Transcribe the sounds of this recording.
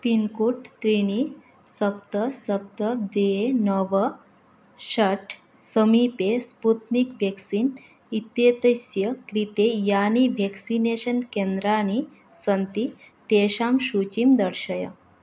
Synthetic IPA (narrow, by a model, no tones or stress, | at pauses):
pinkuʈt̪ɾini | səpt̪əsəp̚t̪əd̪eenəʋə | ɕəʈʰ | səmipesput̪nikʋʱeksiːn | it̪jet̪əsjəkɾit̪ejaniʋʱeksineɕənkend̪ɾañi | sənt̪i | t̪eɕamɕut͡ɕimd̪əɽɕəjə̰